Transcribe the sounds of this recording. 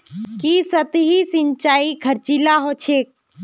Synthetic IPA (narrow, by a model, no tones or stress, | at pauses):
kisət̪ɦisint͡ʃaːikʰəɾt͡ʃilaɦot͡ʃʰeːk̚